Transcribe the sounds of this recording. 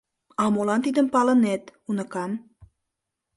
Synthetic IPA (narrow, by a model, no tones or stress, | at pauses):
ɑmolɑnt̪id̪əmpɑlənet̪unəkɑm